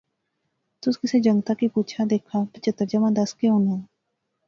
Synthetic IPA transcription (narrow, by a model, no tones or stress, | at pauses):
t̪ʊskɪsed͡ʒəŋɡt̪akipuːt͡ʃʰad̪eːkʰabɪt͡ʃət̪ːəɾd͡ʒəmãd̪ɐskeɦʊnɛ̃